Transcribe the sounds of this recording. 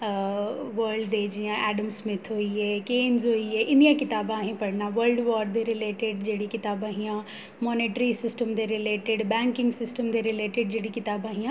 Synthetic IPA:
ʋəɾɖd̪ed͡ʑiãʔɛːɖəmsmẽt̪ʰoieːkeːnzoieʔɪ̃nd̪ijãkɪt̪aːbãaːɦĩpɐɽnãʋəɾlɖʋɔːɾɖd̪eɾɪleːʈeɖd͡ʑeːɽikɪt̪aːbaːɦĩjã | mɔːneːʈɾisɪsʈəmd̪eɾɪleːʈeɖbɛ̃ːŋkɪ̃ŋɡsɪsʈəmd̪eɾɪleːʈɪɖ̚d͡ʑeːɽikɪt̪aːbaːɦĩjã

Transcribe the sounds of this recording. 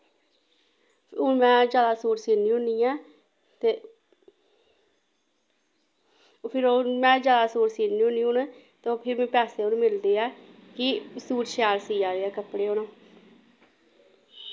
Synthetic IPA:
ʊnmɛ̃ːd͡ʒaːd̪aːsoːɾsiːnĩːʊniːɛ̃ː | t̪eː | pʰɪɾoːmɛ̃ːd͡ʒaːd̪aːsoːɾsiːniːʊnĩːʊn | t̪eːpʰɪɾmɛ̃ːpɛːseːʊnũːmɪld̪eːɛːkɪsuːɾʃɛːɾsiːd͡ʒaːɾeːɛːkəpɽeːoːnõː

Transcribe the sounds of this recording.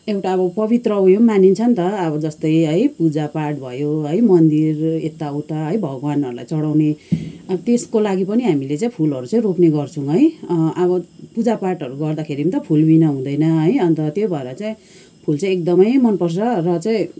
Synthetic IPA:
ewʈaːβʌpʌbit̪rʌũjomanint͡sʰʌnt̪ʌːbʌd͡zʌst̪ʌjɦʌjpud͡zapaʈbʱʌjoɦʌjmʌnd̪iret̪ːaut̪aɦʌjbʱʌɡanʌɾula̰jt͡sʌɽawneʌʌt̪eskolaɡipʌniɦamilet͡sãĩpʰulɦʌɾut͡saĩropneɡʌrt͡sʰũɦʌjʔʌβʌpud͡zaparʈʌɾuɡʌrd̪akʰeɾimt̪ʌpʰulbinʌɦũd̪ʌjnʌɦʌjʌnt̪ʌt̪jobʱʌeɾʌt͡saĩ | pʰult͡sãĩek̚d̪ʌmʌjmʌnpʌrsʌrʌt͡saĩ

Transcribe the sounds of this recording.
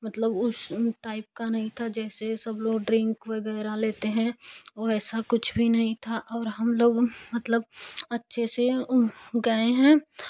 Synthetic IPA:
mət̪ləbʊsʈaːɪp̚kanɐɦĩt̪ʰad͡ʒɛːsesɐbloːɡɖɾɪ̃ŋkʋəɡɛːɾaleːt̪eɦɛ̃ʋoɛːsakʊt͡ʃʰbʱinɐɦĩt̪ʰaʔɔːɾɦɐmloːɡmət̪ləb̚ɐtːʃʰese | ɡəeɦɛ̃ː

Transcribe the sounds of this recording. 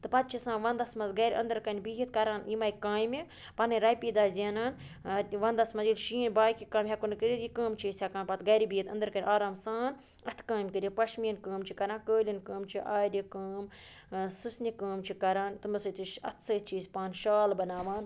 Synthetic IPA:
t̪ɨpɐt̪̚t͡ʃʰisãːnʋɐnd̪ɐsmɐzɡɐɾʲɐ̰nd̪ɨɾkɐnʲbiɦit̪̚kɐɾaːnimɐjikaːjmi | pɐnɨɾɐjpiːd̪aːzʲeːnaːn | ʋɐnd̪ɐsmɐzilʃiːĩnʲbaːjkikaːmʲɦɐkunkɨɾʲit̪jikəːmt͡ʃʰiːsʲɐkaːnpɐt̪ɡɐɾibiːɦit̪ɐ̰nd̪ɨɾkɐnʲʔaːɾaːmsaːn | ɐt̪ʰkãːmʲkəɾʲipɐʃmiːnkəːmt͡ʃʰikɐɾãːnkəːlʲinkəːmt͡ʃʰiʔaːdʲikəːm | sɨsnikəːmt͡ʃʰikɐɾaːnt̪ɨmɐsɨt̪iʃɐ̰t̪ʰsɐt̪̚ʰt͡ʃʰiːsʲpaːnʃaːlbɐnaːʋaːn

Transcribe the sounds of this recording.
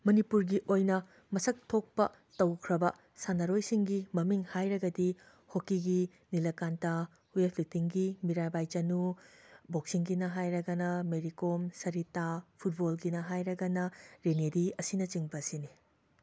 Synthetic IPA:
mɐnipuɾɡiʔojnɐ | mɐsɐk̚tʰok̚pɐ | tɐwkʰɾɐbɐ | sanɐɾojsiŋɡimɐmiŋhajɾɐɡɐdi | hokiɡi | nilɐkanta | huepʰlitiŋɡimiɾajbajt͡ʃɐnuboksiŋɡinɐɦajɾɐɡɐnɐmeɾikomsɐɾitapʰut̚bolɡinɐɦajɾɐɡɐnɐɾeneɾiɐsinɐt͡ʃiŋbɐsini

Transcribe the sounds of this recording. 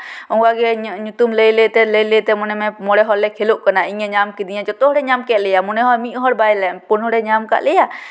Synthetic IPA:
ɔŋɡwaɡɛɲut̪umləjlet̪ɛləjlet̪ɛmɔnɛmɛmɔɽɛɦɔlːɛkʰeluʔkənaiɲɛɲamkid̪iɲãd͡ʒɔt̪ɔɦɽɛɲamkɛʔlɛjamunɛɦɔmiʔɦɔɾbajlɛpunɔɽɛɲamka̰ʔlɛja

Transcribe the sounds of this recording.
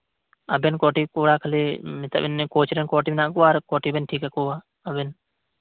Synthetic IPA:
əbenkoːʈiːkoːɽaːkʰəliːmɪt̪ə̰bɪnːekoːt͡ʃʰɾenkoːʈiːnãːkuaːɾkoːʈiːbenʈʰiːkɛːkoːa | əben

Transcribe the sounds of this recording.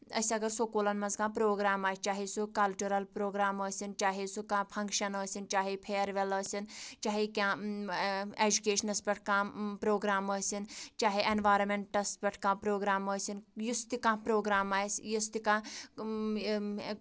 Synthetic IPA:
ɐ̰sɐɡɐɾsoːkoːlɐnmɐzkãːpɾoːɡɾaːmaːst͡ʃaːɦisukɐlt͡ʃuɾɐlpɾoːɡɾaːməːsint͡ʃaːɦisukãːpʰɐŋkʃɐnəːsint͡ʃaːɦipʰeːɾʋeləːsint͡ʃaːɦikʲãː | eːd͡ʒukeːʃɐnɐspʲɐʈʰkãpɾoːɡɾaːməːsint͡ʃaːɦiʔenʋaːɾɐnmeɳʈɐspʲɐʈʰkãːpɾoːɡɾaːməːsinjust̪ikãːpɾoːɡɾaːmaːjsjist̪ikãː

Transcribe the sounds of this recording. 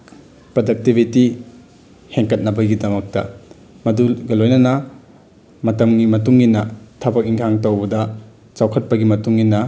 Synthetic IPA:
pɾodɐk̚tibʱiti | heŋkɐt̚nɐbɐɡidɐmɐk̚tɐ̰ | mɐduɡɐlojnɐnɐ | mɐtɐmɡimɐtuŋːinɐtʰɐbɐk̚iŋkʰaŋtɐwbɐdɐ | t͡ʃawkʰɐt̚pɐɡimɐtuŋːinɐ

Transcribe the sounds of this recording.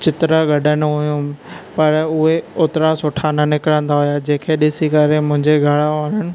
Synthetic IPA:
t͡ɕɪt̪ɾaɡɐɗənʊɦujũpɐɾʊɦeʊːt̪ɪɾasʊʈʰanənɪkɪɽə̃n̆d̪aɦʊjad͡ʑẽːkʰeɗɪsikəɾemʊ̃ɦɪ̃ɲd͡ʑeɡʱɐɽaʋaːɽənɪ̆

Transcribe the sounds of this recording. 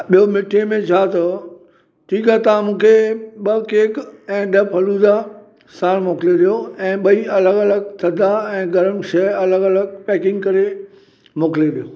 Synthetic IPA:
ɓijomɪʈʰemẽt͡ɕʰaːt̪ɐ | ʈʰiːkaːt̪ɐãmũːkʰeɓɐkeːkɛ̃ːɗɐpɐluːd̪a | saːɽ̃moːkɪleɗijoɛ̃ːɓɐiɐləɡɐləɡt̪ʰɐd̪ʱaɛ̃ːɡɐɾəmʃɐɐləɡɐləɡ̚pɛːkɪ̃ŋɡkɐɾe | moːkɪleɗijoː

